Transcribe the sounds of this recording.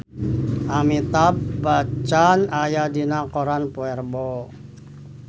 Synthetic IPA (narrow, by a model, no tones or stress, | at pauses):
ʔamit̪ab̚bat͡ʃanajadinakɔɾanpoɛrbɔ